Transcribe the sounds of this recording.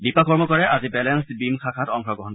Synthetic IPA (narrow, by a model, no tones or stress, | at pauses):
bipakɔɹmɔkɔɹɛʔazibɛlɛnstbimkʰakʰatɔŋkʰɹɔɡɹɔɦɔn